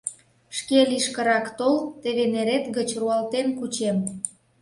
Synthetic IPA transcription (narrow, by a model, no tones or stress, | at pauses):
ʃkeliʃkəɾɑkt̪olt̪eβeneɾet̪ɡət͡ɕruɑlt̪enkut͡ɕem